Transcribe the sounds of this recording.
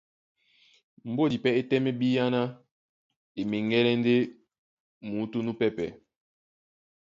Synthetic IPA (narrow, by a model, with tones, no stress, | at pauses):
m̩˨bo˦˨di˨pɛ˦e˦tɛ˦mɛ˦bi˦ja˦na˦ | e˨me˨ŋɡɛ˦lɛ˦n˦de˦ | mu˨˦tu˦nu˦pɛ˦pɛ˨